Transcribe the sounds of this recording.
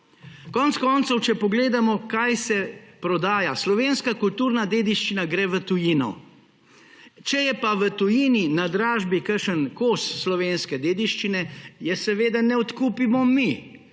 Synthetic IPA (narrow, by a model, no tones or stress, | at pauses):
kɔːntskɔːnt̪sɔwt͡ʃɛpɔɡleːd̪amɔkajsɛpɾɔd̪aːjaslɔʋeːnskakult̪uːɾnad̪eːd̪iʃt͡ʃinaɡɾɛːʋət̪ujinɔ̰ | t͡ʃɛjɛpaʋət̪ujiːninad̪ɾaːʒbikəɾʃənkoːsːlɔʋeːnskɛd̪eːd̪iʃt͡ʃinɛjɛsɛʋeːd̪anɛɔt̪kuːpimɔmi